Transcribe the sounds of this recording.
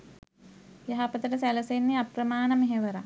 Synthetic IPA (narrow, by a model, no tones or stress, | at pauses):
jaɦapət̪əʈəsæləsenːiaprəmaːnəmeɦeʋəɾa